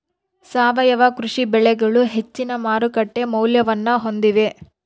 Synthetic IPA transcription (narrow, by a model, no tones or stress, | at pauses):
saːʋɐjɐʋɐkɾuʂibɛɭɛɡɐɭuɦe̞t͡ʃːinɐmaːɾukɐʈːe̞mɐwljɐʋɐnːɐɦo̞nd̪iʋe̞